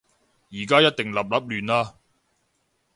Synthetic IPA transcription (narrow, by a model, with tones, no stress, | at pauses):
jiː˨˩kaː˥jɐ˥t̚t̪ɪ˨ŋlɐ˨p̚lɐ˨˥p̚lyː˨naː˧